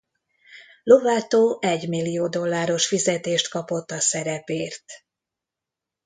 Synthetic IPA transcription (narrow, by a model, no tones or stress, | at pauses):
lo̞vaːt̪oːʔɛɟmilːijoːd̪o̞lːaːɾo̞ʃfizɛt̪eːʃt̪kɒpo̞t̪ːɒsɛɾɛpeːrt̪